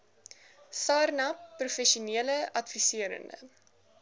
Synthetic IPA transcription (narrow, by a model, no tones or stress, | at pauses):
sɑːrnɐpːrufɛʃuniələɐtfisiəɾə̰ndə̰